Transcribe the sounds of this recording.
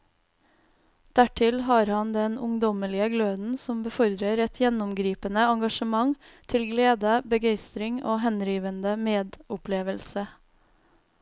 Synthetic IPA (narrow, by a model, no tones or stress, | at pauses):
d̪̥æʈʰɪlɦɑːɾhɑnd̪ɛnʊŋd̪ɔməlɪəɡløːd̪n̩sɔmbəfɔɾd̪ɾəɾɛt̪ʰjɛnʊmɡɾiːpənəɑŋɡɑʃəmɑŋ | t̪ʰɪlɡleːd̪əbəɡeɪst̪ɾɪŋo̰ːɦɛnɾiːʋənd̪əmeːd̪ʊpleːʋəlsə